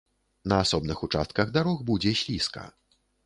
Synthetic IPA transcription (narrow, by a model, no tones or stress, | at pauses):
nɐasɔbnɨxut͡ʂa̰st̪̚kɐɣd̪aɾɔxbud͡zʲɛɕʲlʲiskɐ̰